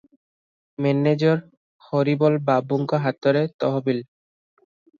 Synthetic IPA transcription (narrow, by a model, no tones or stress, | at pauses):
mɛned͡ʑɔɾ | xɔɾibɔlbabuŋkaɦat̪ːɔɾet̪ɔɦobil